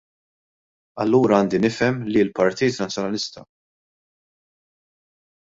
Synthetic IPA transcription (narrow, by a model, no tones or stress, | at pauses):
ɐ̰lːuːɾɐɐːnd̪inɪfɛmlilpɐɾt̪iːt̪nɐt͡sːjɔnɐlɪst̪ɐ̰